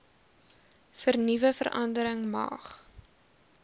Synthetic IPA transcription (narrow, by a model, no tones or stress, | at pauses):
fərnivəfə̰rʔɐ̰ndəɾəŋmɑ̰ːχ